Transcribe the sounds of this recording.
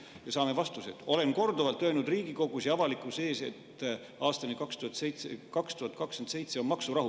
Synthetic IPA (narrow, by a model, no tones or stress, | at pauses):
jɑsɑːme̞vɑst̪usḛt̪o̞le̞nko̞rd̪ovɑlt̪ːønud̪̥riːɡ̥iko̞ɡ̥usjɑvɑlikːˑuse̞ːse̞̰t̪ | ʔɑːst̪ɑnikɑkst̪uhɑt̪sejt̪ekɑkst̪uhɑt̪̚kɑkskend̪se̞jt̪se̞onmɑksuɾɑɦu